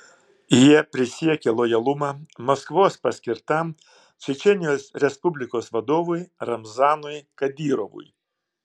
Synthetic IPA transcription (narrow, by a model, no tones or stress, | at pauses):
jiɛpʲɾʲɪsʲiɛkʲɛlˠɔjɐlˠʊmɐmɐskʋoːspɐsʲkʲɪɾt̪ɐm | t͡ʃʲɛt͡ʃʲɛnʲɪjoːsɾʲɛspʊbʲlʲɪkoːsʋɐd̪oːʋʊjɾɐmzɑːnʊjkɐd̪ʲiːɾɔʋʊ̰j